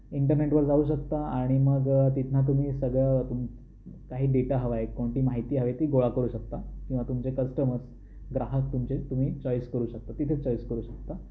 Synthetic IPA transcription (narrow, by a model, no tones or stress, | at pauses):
iɳʈəɾneʈʋəɾd͡zauːɕ̬əkt̪aaɽ̃iməɡt̪it̪nat̪̬um̤iːsəɡɭət̪um | kaɦiːɖeʈaɦəʋaekoɳʈiːmaɦit̪iːɦəʋet̪iːɡoɭakəɾuːɕək̚t̪akĩw̃ʋat̪umt͡ɕekəsʈəməɾs | ɡɾaɦək̚t̪umt͡ɕet̪um̤iːt͡ɕɔjskəɾuːɕək̚t̪at̪it̪ʰet͡ɕɔjskəɾuːɕək̚t̪a